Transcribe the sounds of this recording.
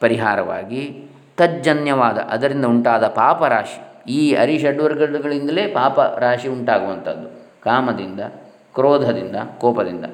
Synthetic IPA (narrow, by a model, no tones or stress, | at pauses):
pɐɾiɦaːɾɐʋa̰ːɡi | t̪ɐd͡ʒɐnjɐʋaːd̪ɐ̰ʔɐd̪ɐɾind̪ɐuɳʈaːd̪ɐpaːpɐɾaːʃi̥iːɐ̰ɾiʃɛɖʋɐɾɡɐɾɖuɡɐɭind̪ɐle̞ːpaːpɐ̰ɾaːʂiuɳʈaːɡuʋɐnt̪ʰɐd̪ːu | kaːmɐd̪ind̪ɐ | kɾoːd̪ʱɐd̪ind̪ɐkɔːpɐd̪ind̪ɐ̰